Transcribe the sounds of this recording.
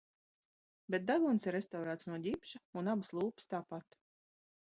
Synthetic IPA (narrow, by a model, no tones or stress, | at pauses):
bet̪̚d̪aɡunsiɾːest̪awɾaːt̪snuɔɟʲipʃaunabɨslˠuːpɨ̥st̪aːpat̪